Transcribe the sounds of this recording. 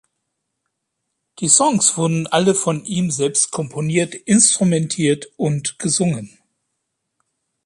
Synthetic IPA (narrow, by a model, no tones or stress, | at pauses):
d̥iːsɔŋsv̥ʊɐdn̩ʔaləfɔnʔiːmzɛlpst̚kʰɔmpʰoniːɐtʔɪnstʁ̥umɛntʰiːɐtʔʊntɡ̥əzʊŋən